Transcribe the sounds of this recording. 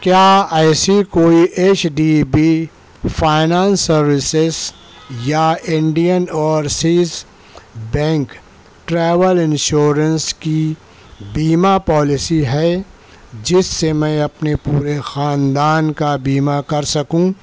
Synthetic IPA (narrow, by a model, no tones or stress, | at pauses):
kjaːɛːsikoːiʔeːt͡ʃɖiːbiː | fʰaːɪnãːnsːɐɾwɪsɪz | jaɪ̃ɳɖijənɔːɾsiːz | bɛ̃ːŋk | ʈɾɛːʋəlɪ̃nʃoːɾənski | biːmapɔːlɪsiɦɛ | d͡ʒɪsːemɛ̃ɐpnepuːɾexaːnd̪aːnkabiːmakɐɾsɐkũː